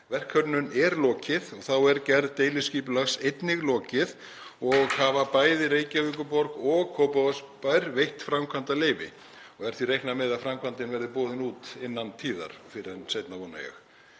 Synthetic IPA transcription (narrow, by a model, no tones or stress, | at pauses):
vɛr̥kʰœɾnʏnɛɾlɔːcɪðɔɣθawɛɾcɛɾðt̪eːjlɪsciːpʏlaxsejt̪nɪɣlɔːcɪð | ɔɣhavapaːjðɪɾeːjcaviːkʏpɔɾkɔɣkʰowpavaspajɾvejht̪fɾamkʰant̪aleːjvɪ̰ | ɔɣɛɾ̥θvirejhknamɛðafɾamkʰvant̪ɪnvɛɾðɪpɔːðɪnuːt̪ɪnːant̪ʰiːða̰ɾ̥fɪɾɪɛnsejt̪navɔːnːa̰jɛ̰x